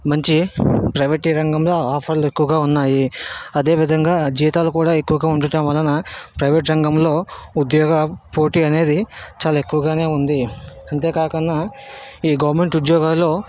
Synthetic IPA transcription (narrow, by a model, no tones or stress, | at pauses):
mɐɲt͡ʃipɾɐjʋɐʈiɾɐŋɡɐmlo̞ːaːpʰɐɾluekːuʋɐɡaːunːaːjiɐd̪e̞ːʋid̪ʱɐŋɡaːd͡ʒiːt̪aːlukuːɽaːe̞kːuʋɐɡaːuɳʈɐʈɐnʋɐlːɐnɐpɾɐjʋeʈ̬ɾɐŋɡɐmlo̞ːud̪jɔːɡɐpo̞ːʈiːɐne̞ːd̪it͡ʃaːlaekːuʋɐɡaːne̞ːund̪iɐɳt̪e̞ːkaːkɐnːaiːɡɐʋɐɾme̞ɳʈud̪jɔːɡaːlːo̞ː